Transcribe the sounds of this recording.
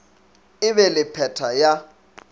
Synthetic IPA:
ɪβɛlɪpʰɛtʰaja

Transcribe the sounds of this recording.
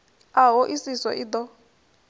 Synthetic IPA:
aɦɔʔisisɔ̰ʔit̪ɔ

